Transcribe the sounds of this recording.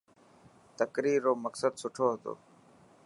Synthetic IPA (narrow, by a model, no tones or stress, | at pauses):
t̪əkɾiːɾːoːməksəd̪sʊʈʰoːɦət̪o̰ː